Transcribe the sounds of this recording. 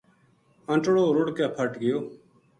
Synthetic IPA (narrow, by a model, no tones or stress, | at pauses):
əɳʈɽoːɾʊɽkɛːpʰəʈɡɪjoː